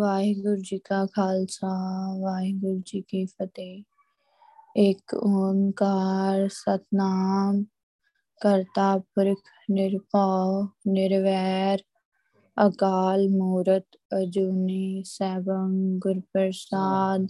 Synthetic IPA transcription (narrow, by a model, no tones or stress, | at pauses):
ʋaːɦiɡʊɾd͡ʒiːkakʰaːlsaʋaːɦiɡʊɾd͡ʒiːkifət̪eː | ekoːnkaːɾsət̪naːm | kəɾt̪aːpʊɾkʰ | nɪɾpaːnɪɾʋɛːɾ | əkaːlmuːɾət̪ | əd͡ʒuːnisɛːbənɡʊɾpəɾsaːd̪